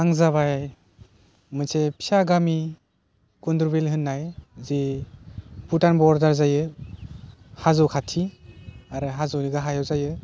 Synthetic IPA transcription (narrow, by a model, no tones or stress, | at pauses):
aŋzaβajaj | mɯsʰepʰi̥aɡami | kunduɾbelɦɯnːajze | putanbɔɾdaɾzajɯ | hazɔwkʰatʰiaɾɯɦazɔwniɡaɦajawzajɯ